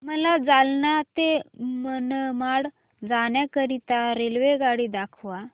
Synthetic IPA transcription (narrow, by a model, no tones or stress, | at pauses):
məlad͡zalnat̪emənəmaɽ | d͡zaɳjakəɾit̪aɾelʋeɡaɽiːd̪akʰʋa